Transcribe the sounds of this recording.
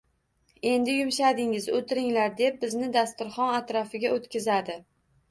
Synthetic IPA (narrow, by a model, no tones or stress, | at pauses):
e̞nd̪ɪjʊmʃad̪ɪŋɪzot̪ʰɪɾɪŋlaɾd̪e̞p̚bɪznɪd̪ast̪ʊɾχɒnat̪ɾɒfɪɡʲaʔot̪kʲɪzad̪ɪ